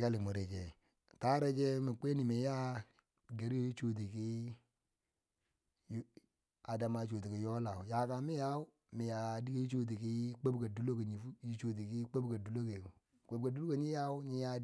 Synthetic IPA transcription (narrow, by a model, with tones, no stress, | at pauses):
ka˦li˨mo˨ɾe˨d͡ʒḛ˨ | ta˦ɾe˦d͡ʒe˦mi˨k͡pe˦ni˨mi˨ja˦˨ | ɡa˨ɾi˦jo˨ji˦t͡ʃo˨t̬i˨ki˦ | j | a˨da˨ma˨˦t͡ʃo˨ti˨ki˨jo˦la˨u˨ja˨ka˨mi˦ja˦u˦ | mi˨ja˨di˦a˦ji˦t͡ʃo˦t̬i˨ki˦k͡pe˦bka˨du˦lo˦ke˨ɲi˨fu˦ji˦t͡ʃo˨t̬i˨ki˦k͡pe˦bɡa˨du˨lo˦ke˨ | k͡pe˨bka˨du˦lo˦ke˨ɲi˦ja˦u˦ɲi˦ja˦